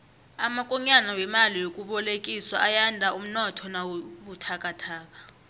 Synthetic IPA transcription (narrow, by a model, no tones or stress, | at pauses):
amakʼɔɲanawɛmalijokʼuɓɔlekʼiswaːjandʱaum̩nɔtʰɔnawuɓutʰakʼatʰaːk̬ʼḁ